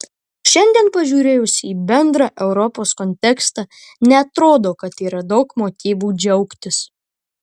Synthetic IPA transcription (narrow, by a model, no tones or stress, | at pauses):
ʃʲɛnʲd̪ʲiɛnpɐʒʲuːɾʲeːjʊsʲɪiːbʲɛnd̪ɾɑːʔɛʊɾɔpoːskɔnʲt̪ʲɛkst̪ɑ | nʲɛɐt̪ɾoːd̪oːkɐt̪iːɾɐd̪ɒʊkmoːt̪ʲiːʋuːd͡ʒʲɛʊkt̪ʲɪs